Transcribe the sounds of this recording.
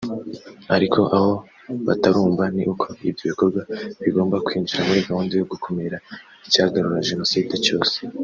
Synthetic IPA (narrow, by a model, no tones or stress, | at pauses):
aɾikʰo̞ʔaho̞ | βa̰taɾuːɱvaniʔukʰo̞ḭvjo̞βiko̞ɾɡwaβiɡo̞ːmbakwiːɲd͡ʒuɾamuɾiːvahuːndijoɡukʰo̞meɾa | icaːɡaɾuɾaʒeno̞siːde̞t͡ʃo̞ːse̥